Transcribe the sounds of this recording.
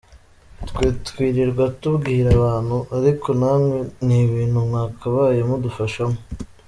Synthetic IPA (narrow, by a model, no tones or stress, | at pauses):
tkwiːtkwiːɾiɾɡwatubɡihiɾaβaːn̥huʔaɾikʰo̞naːmwe̞niβiːnhumŋaːkʰaβaːjemudufaʃamo